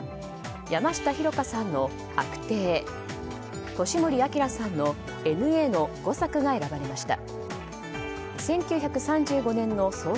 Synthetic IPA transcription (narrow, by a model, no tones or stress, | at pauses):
jamaɕi̥t̪açiɾo̞kasãnːo̞ | akɯ̟̥t̪e̞ː | t̪o̞ɕimoɾʲiakʲiɾasãnːo̞ | e̞nɯ̟e̞ːno̞ɡ̥o̞sakɯ̟ɡae̞ɾabaɾe̞maɕi̥t̪a̰ | sẽ̞ŋkʲɨːçakɯ̟sãɲ̟d͡ʑɨːɡo̞nẽ̞nːo̞so̞ː